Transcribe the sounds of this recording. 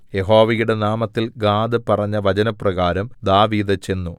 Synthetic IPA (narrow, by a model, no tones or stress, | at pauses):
je̞ɦo̞ːʋɐjuɽe̞naːmɐt̪ːilɡaːd̪ɨpɐrɐɲːɐʋɐt͡ɕɐnɐprɐɣaːɾɐmd̪aːʋiːd̪ɐt͡ɕe̞nːu